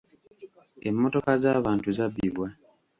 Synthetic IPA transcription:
ḛmːoto̞kazaːβaːntuzaβiβwa

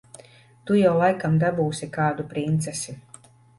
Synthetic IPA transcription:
t̪ujawlˠajkamd̪abuːsʲikaːd̪upɾint̪sɛsʲi

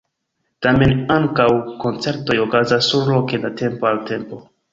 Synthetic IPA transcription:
tame̞naŋkawko̞nt͡se̞ɾto̞jokazasːuɾlokelate̞mpo̞alte̞mpo̞

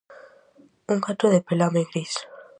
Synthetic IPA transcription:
uŋkat̪ɾoðepelameŋɡɾis

